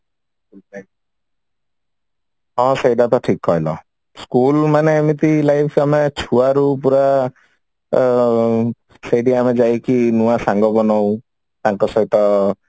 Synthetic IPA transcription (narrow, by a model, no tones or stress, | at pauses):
ula | ɦɔ̃sejɖat̪ɔʈʰikɦɔɦjlɔ̰ | skulmaneamit̪ilajpʰamet͡ʃʰuaɾupuɾa | sejɖiamed͡ʒajkinuwasaŋɡɔbɔnɔw | t̪aŋkɔsɔɦit̪ɔ